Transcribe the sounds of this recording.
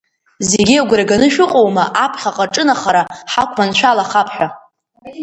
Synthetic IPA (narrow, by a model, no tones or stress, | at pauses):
zeɡʲiaɡʷɾaɡanɨʃᶣʊqʼo̞wmaʔapʰχʲaqʼaʈ͡ʂʼɨnaχaɾaħakʷʰmanʃʷᶣalaχapʰħʷᶣa